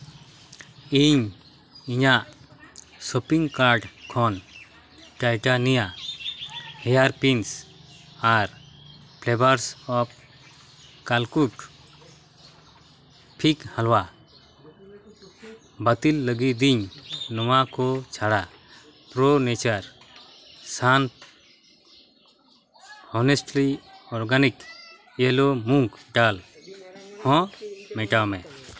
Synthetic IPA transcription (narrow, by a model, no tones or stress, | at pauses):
iɲ | iɲaʔ | sɔpiŋkaɾɖkʰɔn | ʈajʈanija | hɛjaɾpins | aɾ | pʰlɛbaɾsɔp̚ | kalkuʈ | pʰikhalwa | bət̪ilːəɡid̪iɲnɔwakɔt͡ʃʰaɽa | pɾɔnɛt͡ʃaɾ | san | ɔnesʈliɔɾɡanik | ɛlɔmũŋkʈal | hɔ̃mɛʈawmɛ